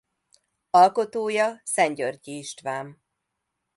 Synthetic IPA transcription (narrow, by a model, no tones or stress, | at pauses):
ɒlko̞t̪oːjɒsɛɲɟørciːʃt̪ʋaːm